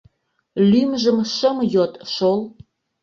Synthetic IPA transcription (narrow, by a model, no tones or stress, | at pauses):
lymʒə̆mʃə̆mjot̪ʃol